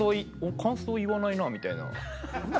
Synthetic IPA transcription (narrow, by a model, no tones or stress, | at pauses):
oi | okʰãɰ̃soːiβanainaːmʲit̪aina̰